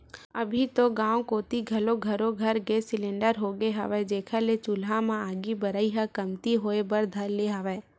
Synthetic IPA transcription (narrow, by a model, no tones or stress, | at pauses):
ɐbʱit̪oɡãːw̃koːt̪iɡʱɐloɡʱɐɾoɡʱɐɾɡesɪlẽɳɖəɾɦoːɡeɦɐ̰ʋɛd͡ʒeːkʰalet͡ʃʊlɦãmãaːɡibɐɾaːiɦakɐmt̪iɦoːebəɾd̪ʱɐlleɦaʋɛː